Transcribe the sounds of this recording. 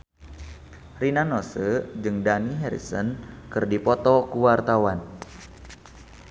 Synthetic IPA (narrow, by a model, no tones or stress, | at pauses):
rinanɔsəd͡ʒɨŋdaniɦɛɾḭsə̰nkɨrdipɔt̪ɔkuwart̪awan